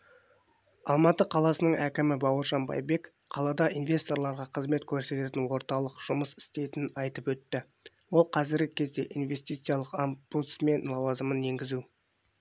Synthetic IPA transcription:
ɑlˠmɑt̪əqʰɑlˠɑsənəɴækʲɪmɪbɑwəɾʒɑnbɑ̰jbe̞k | qʰɑlˠɑd̪ɑʔinvʲe̞st̪o̞ɾlˠɑɾʁɑqʰəzme̞t̪kʲʰɵɾse̞t̪e̞t̪ɪnwo̞ɾt̪ɑlˠəqʒ̥ʊməsɪ̥st̪e̞t̪ɪnɑjt̪əpwɵt̪ːɪ | wo̞lˠqʰɑzɪɾɡʲɪkʲʰe̞zd̪e̞̰ʔinvʲe̞st̪ijt̪sɨjɑlˠəqambut̪sme̞nlˠɑwɑzəmənje̞ŋɡʲɪzu

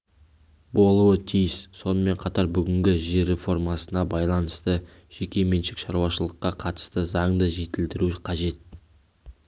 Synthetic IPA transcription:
bo̞lˠuət̪ʰijɪsso̞nəme̞ɴqʰɑt̪ɑɾbʏɡʲɪŋɡʲɪʒeɾe̞fo̞rmɑsənɑbɑjlˠɑnəst̪ə | ʒ̥e̞kʲe̞menʃɪkʃɑɾuɑʃəlˠəqːɑqʰɑt̪ə̥st̪əzɑɴd̪əʒe̞t̪ɪld̪ɪɾuqʰɑʒe̞t̪̚

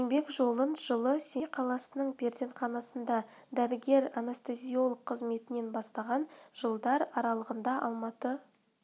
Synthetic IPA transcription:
enbe̞kʒo̞lˠənʒəlˠəsejqʰɑlˠɑsənəɴbe̞ɾze̞ɴχɑnɑsənd̪ɑ | d̪æɾɪɡʲe̞ɾanast̪ezʲijo̞lˠəqʰːəzme̞t̪ɪne̞nbɑst̪ɑʁɑnʒ̥əlˠd̪ɑɾɑɾɑlˠəʁənd̪ɑʔɑ̰lˠmɑt̪ə

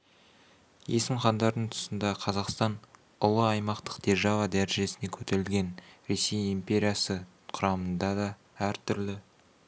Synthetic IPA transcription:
je̞sɪmχɑnd̪ɑɾd̪əɴt̪ʰʊ̥sənd̪ɑqʰɑzɑqst̪ɑn | ʊlˠəɑjmɑqt̪ə̥qd̪̥e̞ʒɑvɑd̪æɾʒe̞sɪne̞kʲʰɵt̪ʰe̞ɾɪlɡʲe̞nɾe̞se̞jimpʲe̞ɾʲijɑsə | qʰʊɾɑmənd̪ɑd̪ɑ | æɾt̪ʰʏɾlɪ

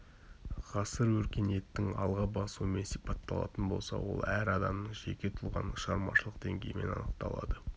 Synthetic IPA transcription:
ʁɑsəɾwɵɾkʲene̞t̪ːɪŋɑlˠʁɑbɑsuwəme̞nsijpɑt̪ːɑlˠɑ̰t̪ənbo̞lˠsɑ̰wo̞̰lˠæɾɑd̪ɑmnəɴʒe̞kʲe̞t̪ʰʊlˠʁɑ̰nʃɑɾmɑʃəlˠəqd̪eŋɡʲe̞jme̞̰nɑ̰nəq̚t̪ɑlˠɑ̰d̪ə

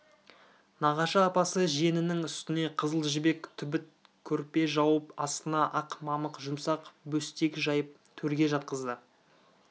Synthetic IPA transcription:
nɑʁɑʃɑːpɑsəʒe̞nɪnɪŋʏst̪ɪne̞qʰəzəlˠʒɪbe̞kt̪ʰʏbɪt̪̚ | kʲʰɵɾpe̞ʒɑwəpɑst̪ənɑʔɑqmɑməqʒʊmsɑqbɵst̪e̞kʲʒɑjəp̚t̪ʰɵɾɡʲe̞ʒɑt̪̚qəzd̪ə

